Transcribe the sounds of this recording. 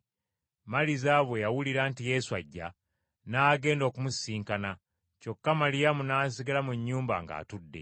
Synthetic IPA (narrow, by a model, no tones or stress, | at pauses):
malizaːβwe̞jawuliɾaːntije̞ːsua̰ɟːa̰ | naːɡe̞ːndo̞ːkumusiːŋkana | co̞kːamalijamunaːs̬iɡalamuɲːuːmba̰ŋɡa̰ːtudːe̞̰